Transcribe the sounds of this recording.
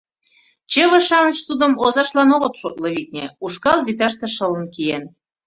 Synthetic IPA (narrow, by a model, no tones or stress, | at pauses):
t͡ɕeβəʃɑmət͡ɕsud̪ə̆mozɑʃlɑnoɣə̆t̪ʃot̪̚lɤβik̚nʲeuʃkɑlβit̪̬ɑʃt̪eʃə̆lə̆nkijen